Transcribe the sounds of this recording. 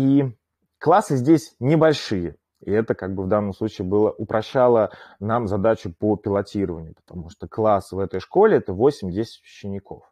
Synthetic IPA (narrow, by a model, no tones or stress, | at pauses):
i | klˠasɨzʲdʲesʲnʲɪbɐlʲʂɨjə | ḭɛt̪əkaɡ̚bɨvd̪anːəmslˠut͡ɕiːbɨlˠəʔʊpɾʔɐɕːalˠənamzɐd̪at͡ɕʊpopʲɪlˠɐtʲiɾəvənʲɪjʊpə̥t̪ɐmuʂt̪oklˠasɨvɛt̪əjʂko̞lʲɪɛt̪əvo̞sʲɪmʲdʲesʲɪ̥tʲvʲɪɕːɪnʲɪkʰo̞̰f